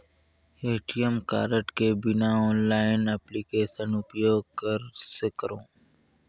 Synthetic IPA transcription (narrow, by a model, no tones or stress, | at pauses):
eːʈiəmka̰ːɾəʈkebɪnaɔːnlaːɪnɛplikeːʃənʊpjoːɡ̚kɐɾsekəɾõː